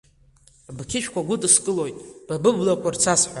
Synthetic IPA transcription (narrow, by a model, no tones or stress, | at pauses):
bkʰʲɪʃᶣʰkʷaɡʷʊdʼɨskʼɨlo̞jtʼb̥abɨblakʷʰʼart͡sʰasħʷa